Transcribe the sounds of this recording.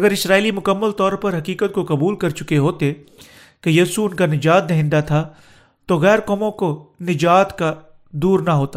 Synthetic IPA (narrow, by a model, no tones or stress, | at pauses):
ɐɡəɾɪsɾaːilimʊkəmːəlt̪ɔːɾpɐɾɦɐkiːkət̪̚kokɐbuːlkɐɾt͡ʃʊkeɦoːt̪e | kejiːsuʊnkanɪd͡ʒaːt̪̚d̪ɛɦɪ̃nd̪at̪ʰa | t̪oɣɛːɾkɔːmõkonɪd͡ʒaːt̪ka | d̪uːɾnaɦoːt̪a